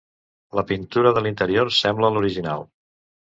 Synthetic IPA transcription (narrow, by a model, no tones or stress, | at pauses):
ləpint̪uɾəðəlint̪əɾioɾsɛmbləluɾiʒina̰lˠ